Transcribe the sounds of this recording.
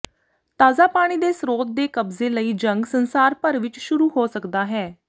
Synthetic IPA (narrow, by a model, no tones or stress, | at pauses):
t̪aːzaːpaːɽ̃iːd̪eːsɾoːt̪̚d̪eːkəbzeːləiːd͡ʒəŋɡsənsaːɾpəɾʋɪt͡ʃʃʊɾuːhoːsəkd̪aːɦɛː